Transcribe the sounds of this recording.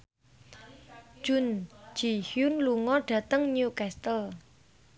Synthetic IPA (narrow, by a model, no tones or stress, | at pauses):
ʒ̥ʊ̤nd͡ʒ̥ihjunluŋɔɖ̥ä̤t̪əŋnukɛst̪əl